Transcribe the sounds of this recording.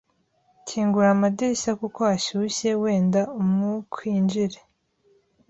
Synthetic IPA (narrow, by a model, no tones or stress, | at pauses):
cʰiːŋɡuɾamadiɾisakukoaʃuɕe̞we̞ːndaumŋukʰwiːnd͡ʒiɾe